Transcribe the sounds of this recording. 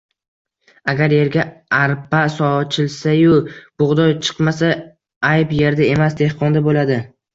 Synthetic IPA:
aɡʲaɾje̞ɾɡʲaaɾpasɒt͡ʃʰɪlsajʊb̥ʊʁd̪ɒjt͡ʃʰɨ̥qmasa | ajpje̞ɾd̪ae̞masd̪e̞hqʰɒnd̪abolad̪ɪ

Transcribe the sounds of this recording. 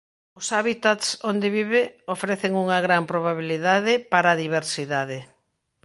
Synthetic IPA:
ʊsaβit̪at̪sond̪eβiβeofɾeθɪŋuŋɐɣɾampɾoβaβiliðaðɪpaɾaːðiβeɾsiðaðɪ

